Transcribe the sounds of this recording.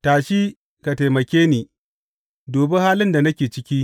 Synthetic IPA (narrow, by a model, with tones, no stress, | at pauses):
taː˨ʃiː˦ | ka˨ta˨mɐ˨kʲeː˦niː˨ | doː˨bɛ˦haː˦lɪ˦nda˨nɐ˦kʲeː˨t͡ʃɪ˦kʲiː˦